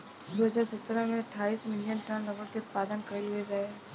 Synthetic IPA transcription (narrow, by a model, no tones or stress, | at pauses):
d̪oːɦɐzaːɾsət̪ːɾəmẽɐʈʰːaːiːsmɪlijənʈə̃nlɐɡəɾkeʊt̪̚paːd̪ənkəilɦued͡ʒaːe